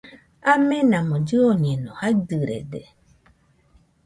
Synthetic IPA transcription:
amenãmõd͡ʒɨoɲẽnõhad̪ɨɾḛd̪ḛ

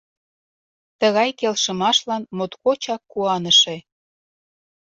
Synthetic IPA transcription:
t̪əɣɑjkelʃə̆mɑʃlɑnmot̪kot͡ɕɑkːuɑnəʃe

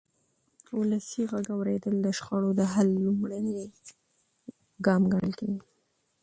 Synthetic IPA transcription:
ulasiɣaɡawɾed̪əld̪əʃxɑɽod̪əɦalːumɽane | ɡɑmɡaɽəlkawi

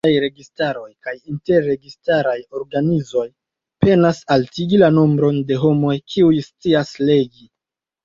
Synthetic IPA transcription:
ajɾe̞ɡistaɾo̞jkajinte̞ɾːe̞ɡistaɾajo̞ɾɡanizo̞j | pe̞nasaltiɡilanombɾo̞nde̞ɦo̞mo̞jkʰiujst͡siasle̞ɡi

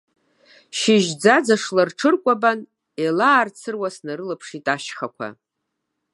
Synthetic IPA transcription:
ʃɪʒd͡zad͡zaʂlarʈ͡ʂʰɨrkʷʼaban | elaːrt͡sʰɨrwasnaɾɨlɨpʰʂitʼaʃχakʷʰa̰

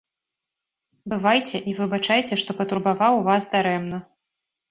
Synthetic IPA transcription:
bɨvajt͡sʲɛʔivɨbat͡ʂajt͡sʲɛʂt̪ɔpɐt̪uɾbavawvasd̪aɾɛmnɐ

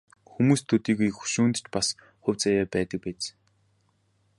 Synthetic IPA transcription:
xumuːst̪ʰɵt̪iːɣujxu̥ʃuːnt̪̆t͡ɕpas | χʊwʲt͡sajaːpæːt̪ə̆k̚pæːt͡s

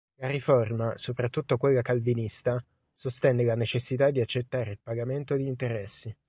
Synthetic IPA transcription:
laɾiformasopɾat̪ːut̪ːokwelːakalvinist̪a | sost̪ɛnːelanet͡ʃesːit̪ad̪ːiat͡ʃːet̪ːaːɾeilpaɡament̪od̪iːnt̪eɾɛsːi

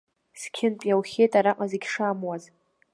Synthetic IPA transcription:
skʲʰɪnpʼjawχʲejtʼaɾaqʼazeɡʲʂamwaz

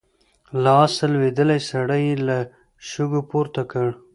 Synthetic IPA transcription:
lɑːsəlwed̪əlajsaɽajela | ʃʊɡopoɾt̪akəɽ

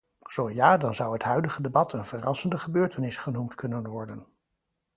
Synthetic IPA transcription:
z̥owjaːdɑnzʌwɦətɦœɥdəχədebɑtʰənvərɑsəndəχəbøːɹtənɪsχənumtkɵnənʋɔɹdən

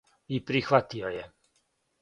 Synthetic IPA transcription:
ipɾixʋat̪ioje

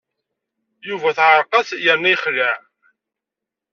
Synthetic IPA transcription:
juvæθʕəɾˤqɑsjəɾniχlæʕ

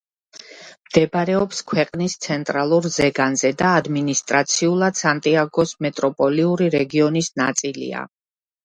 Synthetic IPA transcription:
md̪̥ɛbɾɛɔpskʰwɛqʼnist̪sʰɛnt̪ʼɾalˠuɾzɛɡanzɛd̪aːd̪minist̪ʼɾat̪sʰiulˠad̪̥sant̪ʼiaɡɔsmɛt̪ʼɾɔpʼɔliuɾiɾɛɡiɔnisnat̪sʼilḭa̰

